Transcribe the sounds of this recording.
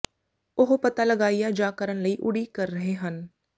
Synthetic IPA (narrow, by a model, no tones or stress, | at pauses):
ʊɦpət̪aːləɡaːijaːd͡ʒaːkəɾənləiːʔʊɽiːkəɾːəɦeːɦən